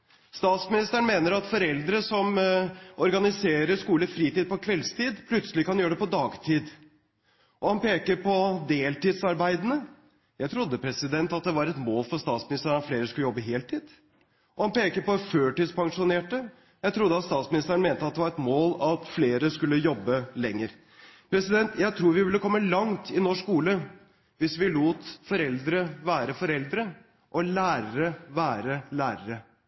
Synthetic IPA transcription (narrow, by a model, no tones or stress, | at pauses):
st̪ɑːt̪smɪnɪst̪əəɳ̩meːnəɾɑt̪fɔɾɛld̪ɾəsɔm | ɔɾɡɑnɪseːɾəʂkuːləfɾiːt̪iːd̪̚pɔkʰʋɛlst̪ʰiːd̪pʰlʉt̪səlɪkɑnjøːɖɛpɔd̪ɑːɡt̪ʰiːd̪ | ʔɔhɑnpeːkəɾpʰɔd̪eːlt̪iːd̪sɑɾbæɪd̪ənə | jæɪt̪ʰɾʊd̪ːəpʰɾɛsɪd̪ɛnt̪ɑt̪̚d̪ɛʋɑɾɛt̪moːlfɔɾst̪ɑːt̪smɪnɪst̪əɳɑt̪fleːɾəskʉləjɔbːəɦeːlt̪ʰiːd̪̥ | ʔɔhɑnpeːkəɾpɔføːʈɪd̪spʰɑŋʂʊneːʈə | jæɪt̪ʰɾʊd̪ːəɑt̪st̪ɑːt̪smɪnɪst̪əɾəɳn̩meːnt̪əɑt̪d̪ɛʋɑɾɛt̪moːlɑt̪fleːɾəskʉlːəjɔbːəlɛŋːəɾ | pʰɾɛsɪd̪ɛnt̪ʰjæɪt̪ʰɾuːɾʋɪʋɪlːəkʰɔmːəlɑŋt̪ʰɪnɔʂkuːlə | ʋɪsʋɪluːt̪fɔɾɛld̪ɾəʋæːɾəfɔɾɛld̪ɾə | ʔɔlæːɾəɾəʋæːɾəlæːɾəɾə